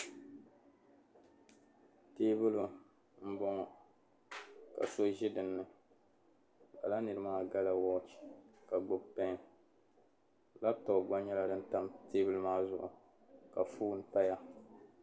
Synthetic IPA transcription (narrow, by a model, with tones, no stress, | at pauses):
teː˦bɨ˦lu˨ | m̩˦bɔ˦ŋɔ˨ | ka̰˨so˦ʒɪ˦dɨ˨nːɨ˨ | ba̰˨la˦nɨ˨ɾɨ˦maː˦ɡa˦la˨wɔ˦t͡ʃi̥˨ka˨ɡ͡bʊ˦bpɛ˦˨ | la˦tɔ˨ɡ͡ba˦ɲɛ˦la˦dɨ˦n˦ta˦mteː˦bɨ˦lmaː˦zʊ˦ʔʊ̰˨ | ka˨fuː˦n̩˦ta˦ja˦